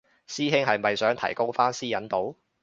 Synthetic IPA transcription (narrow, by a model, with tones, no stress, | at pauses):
siː˥ɦɪ˥ŋɦɐ˨jmɐ˨jsœː˨˥ŋt̪ʰɐ̰˨˩jko˥wfaː˥nsiː˥jɐ˨˥nt̪o˨˥w